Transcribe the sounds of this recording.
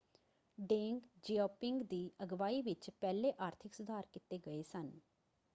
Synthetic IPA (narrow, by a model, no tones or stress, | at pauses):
ɖẽːŋɡd͡ʒiːɔːpɪŋɡd̪iːəɡʋaːiːʋɪt͡ʃpɛːleːʔaːɾt̪ʰɪksʊd̪ʱaːɾkɪt̪eːɡəeːsən